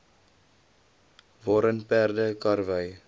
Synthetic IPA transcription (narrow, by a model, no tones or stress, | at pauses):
vɑːɾənpærdəkɐrvəj